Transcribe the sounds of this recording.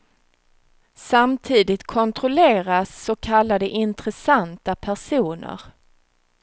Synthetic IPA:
samt̪ʰiːd̪ɪt̪kʰɔnt̪ɾɔleːɾasːɔkʰalːad̪əʔɪnt̪ɾɛsant̪apʰæʂuːnə̰ɾ

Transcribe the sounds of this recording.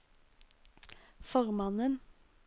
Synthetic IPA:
fɔʁmɑnən

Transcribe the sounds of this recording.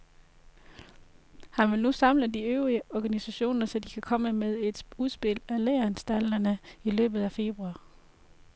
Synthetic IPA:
hænʋe̝lnusɑ̈mləd̥iøʊʁiəɒɡ̥ænisæɕo̝̰ːnɐsɒ̽d̥ikʰækʰɒ̽məmeðˠe̝d̥uð̞ˠsb̥e̝l̰æleːɐnsd̥ælɐnəilø̰ːb̥ð̩ˠæfe̝b̥ʁuɑ̈ː

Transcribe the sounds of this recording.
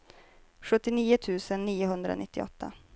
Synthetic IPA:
ɧɵt̪ːɪniːʊt̪ʰʉ̟ːsənːiːʊɦɵnd̪ɾao̰nɪt̪ːɪɔ̰t̪ʰːa̰

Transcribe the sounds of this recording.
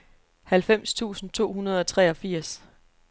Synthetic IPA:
hælfem̰st͡sʰṵːsn̩t͡sʰo̝̰ːhunɐð̞ˠɒ̽t͡sʰʁɛɒ̽fiɐ̰s

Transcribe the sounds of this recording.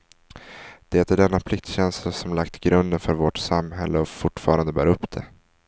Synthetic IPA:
d̪̥ɛɛt̪əɖɛnːapʰlɪk̚t̪ɕɛnslasɔmlakt̪ɡɾɵnd̪ənfœɾvoʈsamɦɛ̰lːəɔfʊʈːfɑːɾand̪əbæːɾɵpːd̪̥ɛ̰

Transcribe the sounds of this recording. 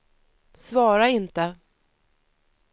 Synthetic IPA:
svɑːɾaɪnt̪ə

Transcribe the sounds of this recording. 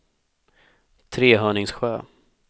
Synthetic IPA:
t̪ʰɾeːɦœːɳɪŋsɧøː

